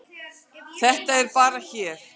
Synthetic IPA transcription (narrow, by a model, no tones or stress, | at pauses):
θɛht̪aɛɾpaːɾaçɛːɾ̥